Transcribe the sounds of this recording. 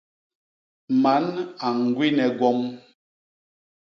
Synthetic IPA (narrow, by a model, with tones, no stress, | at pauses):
ma˨˦na˨ŋ˨ɡwi˦nɛ˨ɡwɔ˦m